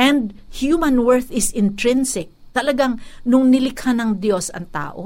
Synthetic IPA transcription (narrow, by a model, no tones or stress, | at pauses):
ʔɛ̃nd̪̚hjumɐnwɛɹθɪsɪnt̪ɹɪnsɪk̚t̪ɐlɐɡaŋnʊŋnɪlɪkhanɐŋd̪jo̞sɐ̰ŋt̪a̰ːʔo